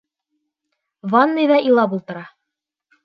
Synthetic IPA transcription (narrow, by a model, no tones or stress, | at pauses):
vɑnːɤjðɑʔilˠɑpulˠt̪ɤ̆ɾɑ